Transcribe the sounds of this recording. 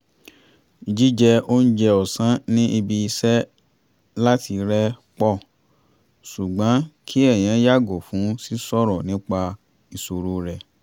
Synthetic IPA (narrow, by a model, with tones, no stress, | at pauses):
d͡ʒi˦d͡ʒɛ˧o˦n̩˦d͡ʒɛ˧ɔ˨sã˨˦nĩ˦ʔi˧bi˧i˧sɛ˦ | la˦tʰi˧ɾɛ˦k͡pɔ˦˨ | su˨ɡ͡bã˨˦kʰi˦ɛ˦˨j̃ɛ̃˨˦ja˦˨ɡo˨fũ˨˦si˦sɔ˦˨ɾɔ˨nĩ˦k͡pa˧ | i˨so˨ɾo˨˦ɾɛ˨